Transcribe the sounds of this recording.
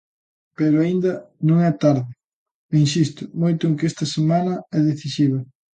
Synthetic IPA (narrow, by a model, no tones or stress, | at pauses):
peɾʊaind̪ɐnõŋɛt̪aɾðɪ | insist̪ʊmojt̪ʊeŋkest̪ɐsemanɐɛðeθisiβɐ